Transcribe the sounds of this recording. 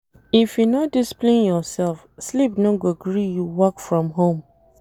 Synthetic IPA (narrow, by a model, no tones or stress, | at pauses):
ifjunɔt̚displẽnjɔsɛlfslipnɔ̃ɡoɡɹijuwɔkfɹɔ̃mɦõm